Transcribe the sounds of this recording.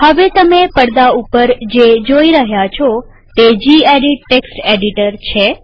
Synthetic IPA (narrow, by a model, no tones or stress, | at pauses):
həʋet̪əmepəɽd̪aupəɾd͡ʒed͡ʒoiɾəɦjat͡ʃʰɔ | t̪ed͡ʒieɖiʈːeksʈeɖiʈəɾt͡ʃʰe